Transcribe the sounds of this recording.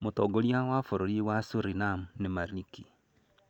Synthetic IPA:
motoɡoljawafoɾoɾiwasuɾinamunemaɾiki

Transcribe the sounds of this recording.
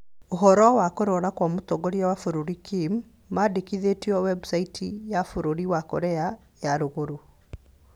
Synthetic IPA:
oɦɔɾɔwakoɾɔɾakwamotɔɡɔɾiawafoɾoɾikimː | adekiðetiɔwɛbsaitʰijafoɾoɾiwakoɾɛa | jaɾoɣoɾo

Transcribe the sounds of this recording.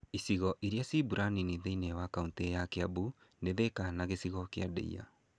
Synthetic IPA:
isiɣɔʔiɾjasibuɾʔaniniðeinɛwakauntejakeabundeðekanaɣesiɣɔkeadɛ̰ḭja̰

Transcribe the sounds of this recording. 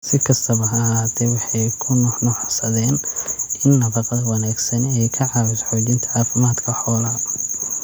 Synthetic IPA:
sɪkʰɐst̪ʰɐβɐɦɐɦaːt̪ʰɛwɑħɑjkʰʊnɔnɔħsɐðɛːnɪnːɐβɐqɐðɐwɑnaːɡsɐnɛjkʰɐʕɑːwɪsħɔːt͡ʃɪnt̪ʰɐɑːfɪmaːd̪kʰɐħɔːlɐ

